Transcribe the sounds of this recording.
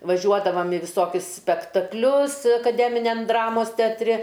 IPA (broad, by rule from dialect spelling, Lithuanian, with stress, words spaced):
ʋɐˈʒʲuɔdɐʋɐm ɪ ʋʲɪˈsoːkʲʊs sʲpʲɛktɐkˈlʲʊs ɐkɐˈdʲæːmʲɪnʲɛm ˈdrɑːmoːs tʲɛɐtʲˈrʲɪ